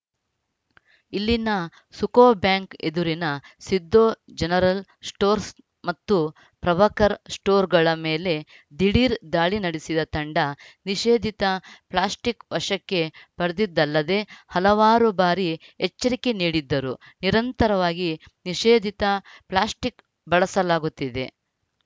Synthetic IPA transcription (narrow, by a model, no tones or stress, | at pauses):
ilːinɐ | sukoːbjaːŋked̪uɾinɐsid̪ːoːd͡ʒɛnɐɾɐlsʈoːɾs | mɐt̪ːu | pɾɐʋɐkɐɾsʈoːɾɡɐɭɐmeːle̞ | d̪iɽiːɾd̪aːɭinɐɽisid̪ɐt̪ɐɳɖɐniʃeːd̪ʱit̪ɐplaːsʈikʋɐʂɐkːe̞bɐɾɐd̪id̪ːɐlːɐd̪e̞hɐlɐʋaːɾubaːɾiɛt͡ʃːɐɾike̞niːɽid̪ːɐɾu | niɾɐnt̪ɐɾɐʋaːɡi | niʃeːd̪ʱit̪ɐplaːsʈik | bɐɭɐsɐlaːɡut̪ːid̪e̞̰